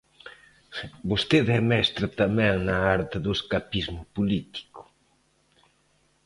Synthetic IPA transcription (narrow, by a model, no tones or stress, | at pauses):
bost̪eðɛmɛst̪ɾɐt̪amɛ̃ŋnɐaɾt̪ɪðʊeskapizmʊpulit̪i̥kʊ̥